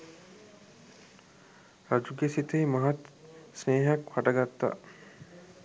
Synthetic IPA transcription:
ɾad͡ʒuɡesit̪eimɐɦat̪sneːɦakfaʈəɡat̪ːa̰

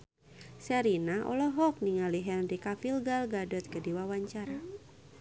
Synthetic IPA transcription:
sɛɾinaʔɔ̰lɔɦɔk̚niŋaliɦɛnrikafilɡalɡadɔt̪̚kədiwawaɲt͡ʃaɾa

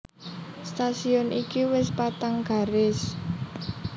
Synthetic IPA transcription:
st̪asiɔnʔikiwɪspat̪aŋɡ̥a̤ɾɪs

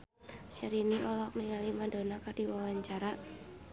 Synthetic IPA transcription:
sɛɾiniʔɔlɔk̚niŋalimadonakardiwawaɲt͡ʃaɾa

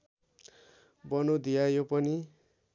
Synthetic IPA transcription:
bʌnud̪ijajopʌni

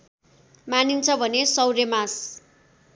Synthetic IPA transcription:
manint͡sʰʌbʱʌnesʌwɾemas

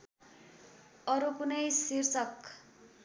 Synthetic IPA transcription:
ʌɾukunʌjsirt͡sʌk

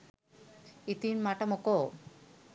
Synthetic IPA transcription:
it̪inmaʈamoko

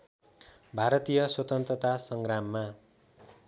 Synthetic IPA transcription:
bʱaɾʌt̪ijʌswʌt̪ʌnt̪rʌt̪asʌŋɡramːa

